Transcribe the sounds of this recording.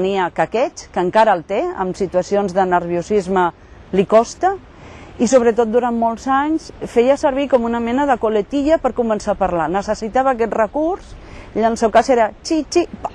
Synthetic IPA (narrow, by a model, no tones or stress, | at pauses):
niəkəkɛt͡ʃkəŋkaɾəːlˠt̪eə̰msit̪uəsionzðənəɾβiusizmə | likɔst̪ə | isoβ̞ɾət̪ot̪̚d̪uɾanmolˠzaɲsfejəsəɾβ̞ikɔmunəmɛnəðəkulət̪iʎəpəɾkumənsapəɾlanəsəsit̪aβəːkɛt̪rəkursiəlˠsewkaseɾət͡ʃit͡ʃip